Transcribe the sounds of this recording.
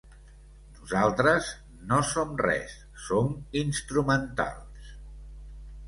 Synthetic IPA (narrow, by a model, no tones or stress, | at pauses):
nuzalˠt̪ɾəz | nosomrɛ̰s | sominst̪ɾumənt̪a̰lˠs